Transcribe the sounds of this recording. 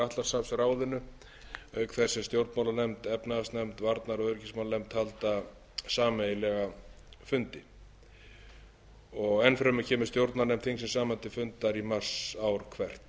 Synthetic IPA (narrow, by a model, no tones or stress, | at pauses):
aht̪lḁsafsraːwðɪnːʏ | œːɥkθɛ̥sɛmst̪jowɾt̪nmawlaɾnɛmt̪ɛpnaast̪nɛmt̪vaɾt̪naɾɔɣœɾcismawlanɛmt̪halt̪a | saːmejlɛɣa | fʏnt̪ɪ | ɔɣɛnfɾɛmʏcʰɛːmʏ̥st̪jowɾt̪naɾnɛmt̪θhiŋsɛmsaːmant̪ɪfʏnt̪aɾimar̥sawɾkʰvɛr̥t̪